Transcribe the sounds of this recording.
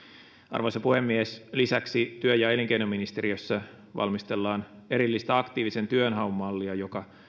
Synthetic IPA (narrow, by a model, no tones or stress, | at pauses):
ɑ̰rʋo̞jsɑpuhe̞mːieslisæksit̪yøjɑeliŋkeinomːinist̪e̞ɾiøsːæ | ʋɑ̰lmist̪e̞lːɑːne̞ɾilːist̪æɑkt̪iːʋise̞nt̪yønɦɑumːɑlːiɑjokɑ